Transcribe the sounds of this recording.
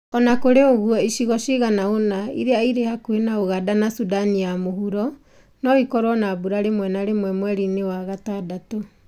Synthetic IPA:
ɔnakoɾeoɣuɔiʃiɣɔʃiɣanaonaḭɾeaiɾehakwenaoɣadanasudanijamohuɾɔ | nɔikɔɾwɔnabuɾaɾemwɛnaɾemwɛmwɛɾinewaɣatadato

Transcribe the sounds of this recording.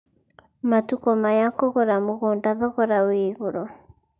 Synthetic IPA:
matukɔmajakɔɣɔɾamoɣoːndaðɔɣɔɾaweːɣoɾɔ

